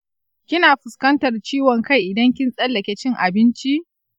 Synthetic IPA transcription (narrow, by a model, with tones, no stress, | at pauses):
kʲɪ˦naː˨ɸʊ˨skɐ˦ntɐ˨rt͡ʃiː˦wɔ˨ŋka˦˨jʔɪ˨dɐ˦ŋkʲɪ˦nsʼɐ˦lːɐ˨kʲɛ˦t͡ʃɪ˦ŋʔa˨bɪ˦nt͡ʃi˦ʔ